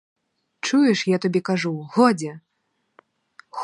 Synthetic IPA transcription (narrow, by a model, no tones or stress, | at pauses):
t͡ʂujɛʂjat̪abʲɛkaʐuɣɔd͡zʲɛ | x